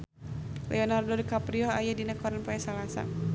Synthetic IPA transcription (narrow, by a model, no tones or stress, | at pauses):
lʔɛ̰ɔnardɔdkapɾiɔɦajadinakɔɾanpaɛsalasa̰n